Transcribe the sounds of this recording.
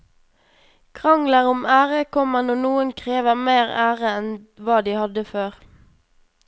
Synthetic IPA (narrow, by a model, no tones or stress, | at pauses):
kʰʁɑŋləʁʊmæːʁəkʰɔmənoːnuːənkʰʁeːʋəʁmeːʁæːʁəɛnʋɑːd̪iːhɑd̪əføːʁ